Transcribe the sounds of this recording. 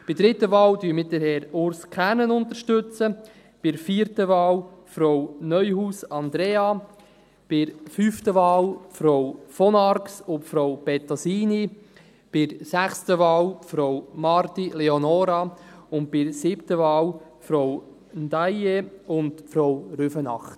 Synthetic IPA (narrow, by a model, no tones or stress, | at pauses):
b̥ɪd̥ɾɪtəʋɑːwdyːmɪdəɾhɛːɾʊɾskʰænənʊnt̪əɾʃtʏt͡sə | b̥ɪɾfiːɾtəʋɑːwfɾɔwnœʏhuːsɑnd̪ɾeːɑ | b̥ɪɾfyːftəʋɑːlfɾowfɔnɑɾksʊpfɾɔwb̥ɛtasiːni | b̥ɪɾsæχstəʋɑːwfɾɔwmɑɾt̪ilɛonɔːɾɑʊnt̚b̥ɪɾsɪptəʋɑːw | fɾɔw | nd̪ɑjeʊntfɾɔwɾøfənɑ̰χt